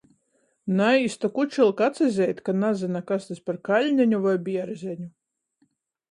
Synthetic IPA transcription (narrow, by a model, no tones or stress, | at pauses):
najist̪ɔkut͡ʃilˠkat̪sazʲɛjt̪ʲkanazʲɨnakast̪asʲpaɾkalʲɲʲæɲʲuvajbʲiɛɾzʲɛɲʲu